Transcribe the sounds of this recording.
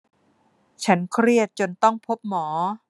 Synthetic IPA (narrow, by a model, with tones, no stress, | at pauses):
t͡ɕʰa˦˥nkʰɾi˥˩ət̪̚t͡ɕo˧nt̪ɔ˥˩ŋpʰo˦˥p̚mɔː˩˦